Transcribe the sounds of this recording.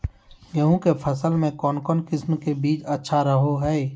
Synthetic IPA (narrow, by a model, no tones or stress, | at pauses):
jɐɦũkepʰɐsəlmẽkɔːnkɔːnkɪsmkebiːt͡ʃɐtːʃʰaɾɐɦoɦɛː